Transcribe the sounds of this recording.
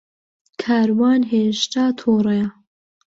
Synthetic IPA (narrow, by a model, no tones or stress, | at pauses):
kʰaːɾwɑːnɦeːʃt̪aːt̪ʰoːreja